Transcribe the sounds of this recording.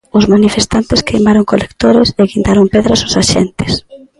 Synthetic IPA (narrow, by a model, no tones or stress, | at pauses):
ʊzmanifest̪ant̪ɪskɾḛmaɾoŋkolekt̪oɾɪseɣint̪aɾompeðɾasʊsaʃḛnt̪ɪ̥s